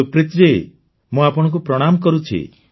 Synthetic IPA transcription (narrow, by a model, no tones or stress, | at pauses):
upɾit̪ɾe | mũapɔɽ̃ɔ̃k̬upɾɔɽ̃amkɔɾut͡ʃʰḭ